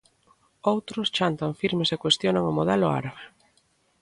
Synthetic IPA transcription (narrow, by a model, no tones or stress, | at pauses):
owt̪ɾʊst͡ʃant̪aɱfiɾmesekwest̪jonaŋʊmoðɛlʊa̰ɾaβe